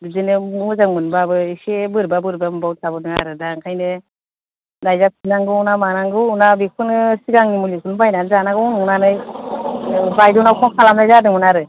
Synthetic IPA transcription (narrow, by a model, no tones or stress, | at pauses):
duzɯnɯzaŋmɯnbabɯisebɯɾbabɯɾbambawt̚sʰabɔdɯŋa̰ɾɯdaŋkʰajnɯ | dajzap̚sinaŋɡɯunamanaŋɡɯunabikʰɯnɯsiɡaŋnimulikʰunbajnanzanaɡɯɔnuŋnanɯj | bajdɔnawkʰɔŋkʰalamajzadɯŋɔnaɾɯ